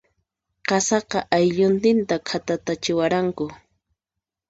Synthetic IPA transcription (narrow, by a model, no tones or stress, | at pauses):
qɑsɑqɑʔajʎʊnt̪ɪnt̪akʰat̪at̪at͡ʃɪwaɾaŋkʊ